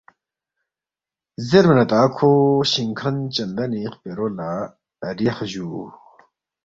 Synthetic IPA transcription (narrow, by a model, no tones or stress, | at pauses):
zermənat̪akʰoɕiŋkʰant͡ɕənd̪aniχpeɾola | riχʑu